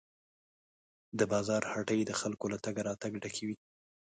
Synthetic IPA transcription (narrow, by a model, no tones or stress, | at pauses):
d̪əbɑzɑɾhaʈəjd̪əxalkolat̪aɡaɾɑt̪aɡɖakʰiwi